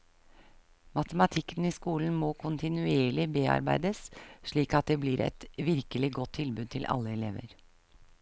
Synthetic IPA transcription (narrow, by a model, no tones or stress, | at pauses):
mɑt̪əmɑt̪ʰɪkːəniːskuːln̩moːkʰʊnt̪ɪnʉeːɭɪbeːɑ̰ɾbæɪd̪əsʂɭiːkɑt̪̚d̪eːblɪɾɛ̰t̪ʋɪɾkəlɪɡɔt̪ʰːɪlbʉːd̪̚t̪ʰɪlʔɑ̰lːəɛlḛːʋə̰ɾ